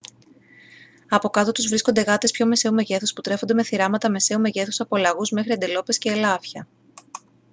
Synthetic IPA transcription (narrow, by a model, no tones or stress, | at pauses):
ɐpo̞kɐt̪o̞t̪uzvɾiskond̪e̞ɣɐt̪e̞spço̞me̞se̞ume̞ʝe̞θusput̪ɾe̞xo̞nd̪eme̞θiɾɐmɐt̪ɐme̞se̞ume̞ʝe̞θusɐpolɐɣuzme̞xɾiɐnd̪elo̞pe̞sce̞ːlɐfçɐ